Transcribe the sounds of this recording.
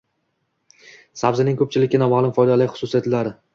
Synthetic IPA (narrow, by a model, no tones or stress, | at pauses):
sabzɪnɪŋkʰɵp̚t͡ʃʰɪlɪkʲɪnɒmalˠʊmfɒjd̪alajχʊ̥sʊsijat̪laɾɪ